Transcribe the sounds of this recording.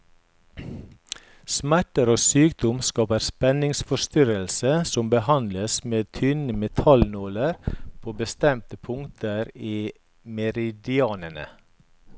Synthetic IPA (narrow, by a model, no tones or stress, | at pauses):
smæʈəɾoːsyːkd̪ɔmskɑːpəɾspɛnɪŋsfɔʃt̪ʏɾəlsəsɔmbəhɑnd̪ləsmeːt̪ʰʏnəmɛt̪ʰɑlnuːləɾpʰoːbəst̪ɛmt̪əpʰʊŋt̪ʰəɾiː | mɛɾɪd̪ɪɑːnəɳə̰